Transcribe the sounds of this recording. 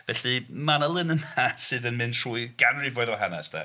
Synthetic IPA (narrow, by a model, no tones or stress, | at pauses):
vɛɬimanəlˠɪnənasɨðənmɪntʰr̥uːiɡ̥anrivoɨðɔɦana̰stʰɛ̰